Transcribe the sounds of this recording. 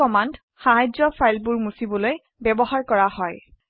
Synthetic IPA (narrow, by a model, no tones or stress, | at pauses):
ɔmand | xaɦajzɔpʰajlpuɹmusibɔloj | bɛbɔɦaɹkɔɹahɔj